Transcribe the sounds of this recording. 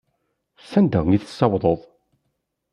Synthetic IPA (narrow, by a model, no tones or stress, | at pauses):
sænd̪əʁŋiθəsːɑwðˤəðˤ